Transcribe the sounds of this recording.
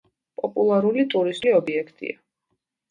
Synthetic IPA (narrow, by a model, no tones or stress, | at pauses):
pʼɔpʼulˠaɾulit̪ʼuɾisiɔbiɛkʰt̪ʼḭa